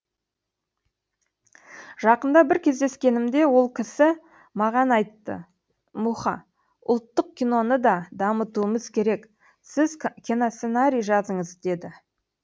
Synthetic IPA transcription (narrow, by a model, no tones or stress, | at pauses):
ʒ̥ɑqənd̪ɑbɪɾkʲʰe̞zd̪e̞skʲe̞nɪmd̪e̞wo̞lˠkʲʰɪsɪ | mɑʁɑnɑjt̪ːə̰ | muχɑ̰ | ʊ̰lˠt̪ːəq̚kʲijno̞nəd̪ɑd̪ɑmət̪uəməzkʲʰe̞ɾe̞k | sɪzkʲʰinosenaɾʲijʒɑzəɴəzd̪e̞d̪ɪ